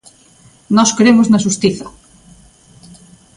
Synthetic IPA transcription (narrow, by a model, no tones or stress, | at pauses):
nɔskɾemʊznɐʃ̬ust̪iθɐ